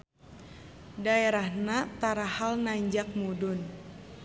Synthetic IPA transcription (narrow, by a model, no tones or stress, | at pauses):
daeɾahnat̪aɾahalnaɲd͡ʒak̚mudʊn